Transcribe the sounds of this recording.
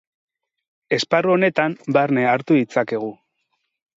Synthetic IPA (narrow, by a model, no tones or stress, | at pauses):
e̞sparuo̞ne̞t̪ambaɾne̞aɾt̪uðit͡sake̞ɣ̞u